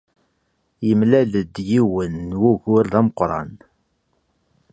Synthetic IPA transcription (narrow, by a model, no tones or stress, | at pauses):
jəmlæləd̪jiwənːwuʝʊɾðæməqɾˤɑ̰n